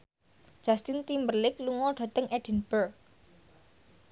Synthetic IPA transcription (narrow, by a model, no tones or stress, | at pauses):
d͡ʒ̥ast̪int̪imbərlɪkluŋɔɖ̥a̤t̪əŋʔɛɖ̥ɛ̤nb̥ərk̚